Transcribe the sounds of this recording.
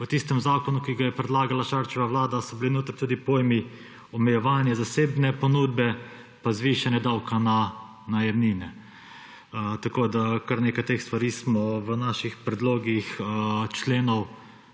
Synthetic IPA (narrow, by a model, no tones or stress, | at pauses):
ʋət̪ist̪ɛmzaːkɔnukiɡajɛpɾɛd̪laːɡalaʃaɾt͡ʃɛʋaʋlaːd̪asɔbilinoːt̪əɾt̪uːd̪ipoːjmi | ɔmɛjɛʋaːnjazaseːbnɛpɔnuːd̪bɛ | pazʋiːʃanjɛd̪awkana | najɛmniːnɛ | t̪akoːd̪akaɾneːkajt̪exst̪ʋaɾiːsmɔʋənaʃixpɾɛd̪loːɡixət͡ʃleːnɔw